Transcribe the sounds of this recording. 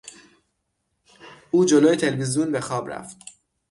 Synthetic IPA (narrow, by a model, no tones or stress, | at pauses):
uːd͡ʒoloːjet̪ʰelvizjunbe̞xɒːbɾæ̰ft̪